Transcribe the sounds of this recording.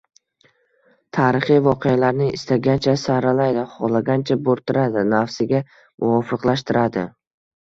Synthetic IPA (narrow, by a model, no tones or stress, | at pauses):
t̪ʰaːɾɪχijvɒqʰejalaɾnɪɪ̰st̪aɡʲant͡ʃʰasaɾalajd̪aχɒlˠaɡʲant͡ʃʰaboɾt̪ʰɪɾad̪ɪnafsɪɡʲa | mʔʊɒfɨqlˠaʃt̪ʰɪɾad̪ɪ